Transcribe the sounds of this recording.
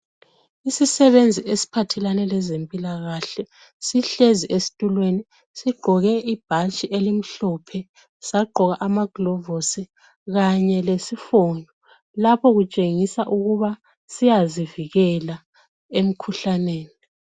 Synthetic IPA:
isisɛβend͡zʱiʔesi̥pʰatʰɛlanɛlɛzempʼilaɣaɬɛ | siɬeziʔesi̥tʼulweni | siɡ͡ǃʱɔɣɛʔib̥ʱat͡ʃʼiʔelim̩ɬɔpʰɛ | saɡ͡ǃʱɔɣaʔamaɡ̥lɔvosi | ɣaɲɛlesifondʱɔ | lapʰɔɣut͡ʃʼeŋisaʔuɣuβa | sijaziviɣɛla | em̩kʰuɬaneːni

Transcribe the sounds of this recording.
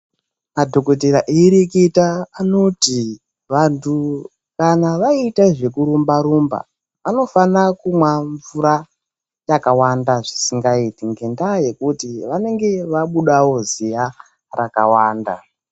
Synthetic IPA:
madʱo̞ko̞t̬eɾaʔeɾiketaːnoti | ʋantʰu | kanaʋaitaʐe̞kuɾumbaɾumba̰ | ano̞fanakumwaɱvuɾa | jakawandaʐisiŋɡaitiŋɡe̞ndaje̞kutiʋane̞ŋɡe̞ʋaɓuɗawo̞zija | rakawaːnda̰

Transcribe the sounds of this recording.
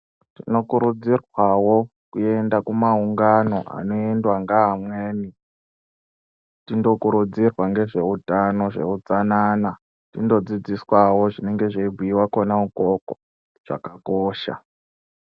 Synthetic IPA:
tino̞kuɾud͡zirwawo | kue̞ndakumauŋɡano̞ʔa̰no̞endwaŋɡaɦamwe̞ːni | tindo̞kuɾud͡zirwaŋɡe̞ʐe̞utano̞ʐe̞̰ud͡zanaːna | tindo̞d͡zid͡ziswawo̞ʐine̞ŋɡe̞ʐeibʱiiwakonamukoko | ʐ̥a̰kakoːʃa̰

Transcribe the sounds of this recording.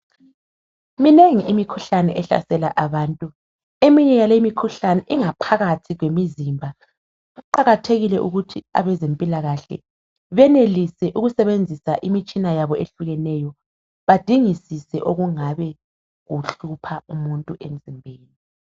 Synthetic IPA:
mineŋiʔimikʰuɬanɛʔɛɬa̰sɛlaʔaβaːntʼu | emiɲɛjalemikʰuɬanɛʔiŋapʰaɣatʰiɣwemizimbʱa | ɣuǃaɣatʰeɣilɛʔuɣutʰia̰βɛzempʼilaɣaɬɛ̰ | βɛnelisɛʔuɣusɛβend͡zʱisaʔimit͡ʃʼinajaβɔeɬuɣɛnɛjɔ | βad̥ʱiŋisisɛ̰ʔoɣuŋaβɛ | ɣuɬupʰaumuntʼuʔem̩zimbʱeːni

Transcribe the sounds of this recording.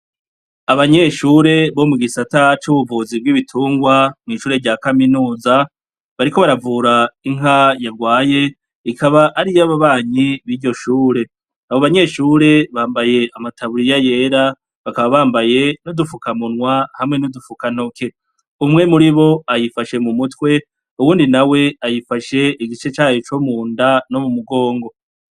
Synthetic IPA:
aβaɲe̞ʃuːɾe̞βo̞muɡisatat͡ʃuβuvuːzib̚ɡiːβitʰuːŋɡwamŋiːʃuːɾe̞ɟaːkaminuːza | βaɾiko̞βaɾavuːɾaiŋɦajaɾɡwaːje̞ | ikʰaβaʔːɾijaβaβaːɲiβiːɾɟo̞ʃuːɾe̞ | aβoβaɲe̞ːʃuːɾe̞βaːmbaje̞ʔamatʰaβuɾijaje̞ːɾa | βakaβaβaːmbaje̞nodufukamunŋwahamŋe̞nudufukano̞ke̞ | umŋe̞muɾiβo̞ajifaʃe̞mumutwe̞ | uβuːndinawe̞ajifaʃe̞ʔiɡit͡ʃe̞t͡ʃaːhet͡ʃomuːndano̞mumuɡo̞ːŋɡo̞

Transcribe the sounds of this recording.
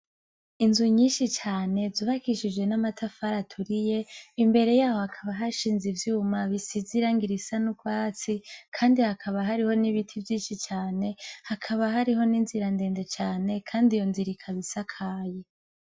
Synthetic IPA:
inzuɲiːnʃit͡ʃaːne̞zuβakiʃid͡ʒwe̞namatʰafaɾatʰuɾije̞imbe̞ɾe̞jaːho̞hakʰaβaɦaʃiːnzivjuːmaβisiziɾaŋɡiɾisanukwaːt͡sikʰaːndihakʰaβaɦaɾiho̞niβitʰivjiːʃit͡ʃaːne̞hakʰaβaɦaɾiɦo̞niːnziɾande̞ːnde̞t͡ʃaːne̞kʰaːndijo̞nziɾikʰaβisakʰaːje

